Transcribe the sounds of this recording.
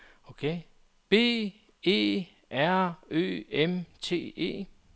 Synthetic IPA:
okʰe | b̥e̝̰ː | e̝̰ː | ʔæɐ̰ø̰ːemt͡sʰe̝̰ːe̝̰ː

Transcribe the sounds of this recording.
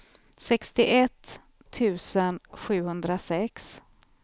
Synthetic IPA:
sɛkst̪ɪʔɛt̪ʰː | ʉ̟ːsənɧʉ̟ːhɵnd̪ɾasɛks

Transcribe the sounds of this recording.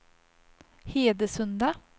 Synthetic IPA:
heːd̪əsɵnd̪a

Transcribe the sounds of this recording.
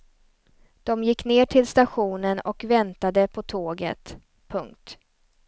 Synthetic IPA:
d̪̥ɔmjɪkːneːʈʰɪlst̪aɧuːnənɔkvɛnt̪ad̪əpʰɔt̪ʰoːɡə̰t̪ | pʰɵŋkt̪

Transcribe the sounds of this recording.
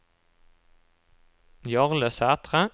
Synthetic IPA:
jɑʁləsæːt̪ʁə

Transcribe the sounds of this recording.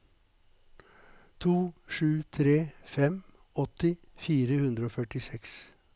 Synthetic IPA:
t̪ʰuːʂʉːt̪ʰɾeːfɛm | ɔt̪ɪfiːɾəhʉnd̪ɾəoːfœʈɪsɛks

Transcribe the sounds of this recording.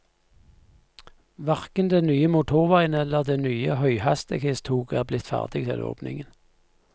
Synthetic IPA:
ʋɑʁkənd̪eːnyːəmʊt̪ʰʊʁʋæɪnəɛləʁd̪eːnyːəhœʏhɑst̪əkest̪ʰuːɡæːʁblɪt̪fæ̰ːʁd̪ɪɡt̪ʰɪ̰lo̰ːpnɪ̰ŋən

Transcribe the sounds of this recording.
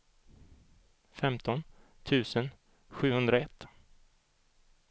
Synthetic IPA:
fɛmt̪ʰɔn | t̪ʰʉ̟ːsən | ɧʉ̟ːhɵnd̪ɾaɛt̪ː

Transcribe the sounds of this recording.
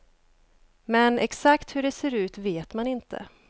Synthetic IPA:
mɛnɛksakt̪hɵɖɛseːɾʉ̟ːt̪veːt̪manɪnt̪ʰə̰

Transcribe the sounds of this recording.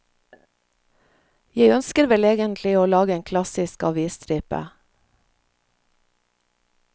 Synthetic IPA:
jæɪœnskəɾʋɛleːɡənt̪ʰlɪoːlɑːɡəeːŋkʰlɑsɪskɑ̰ʋiːst̪ɾiːpə̰

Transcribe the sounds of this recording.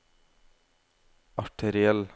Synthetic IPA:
ɑʈʰɛɾɪɛl

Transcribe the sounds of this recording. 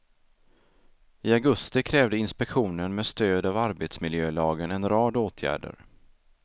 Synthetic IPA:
ɪaɡɵst̪ɪkʰɾɛːvd̪əɪnspɛkɧuːnənmeːst̪øːd̪avaɾbet̪smɪljøːlɑːɡənɛnɾɑːd̪oːt̪ʰjæ̰ːɖə̰ɾ

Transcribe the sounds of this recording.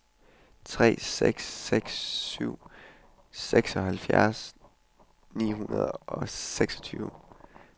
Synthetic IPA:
t͡sʰʁɛ̰ːseɡ̥sːeɡ̥sːyʊ̰ | seɡ̥sɒ̽hælfjæɐs | nḭːɦunɐðˠɒ̽seɡ̥sɒ̥t͡sʰy̰ːʊ

